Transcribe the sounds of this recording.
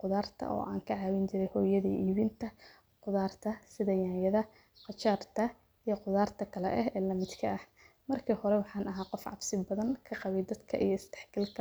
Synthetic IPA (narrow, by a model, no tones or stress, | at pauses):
qʊðaːrt̪ʰɐ̰ʔɔ̰ːʔa̰ːŋkʰɐʕɑːwɪnt͡ʃɪɾɛjhɔːjɐðiʔiːβɪnt̪ʰɐ | qʊðaːrt̪ʰɐsɪðɐjaːjɐðɐ | qɑt͡ʃaːrt̪ʰɐ | ijɞqʊðaːrt̪ʰɐkʰɐlɛ̰ʔɛɦɛːlɐmɪd̪kʰɐʔɐh | mɐrkʰiːhɔɾɛwɑħɑːnɐɦaːqɔfʕɑ̰bsɪbɐðɐŋkʰɐqɑβɛjd̪ɐd̪kʰɐ̰ʔḭjɞɪst̪ɛ̥ħɡɐlkʰɐ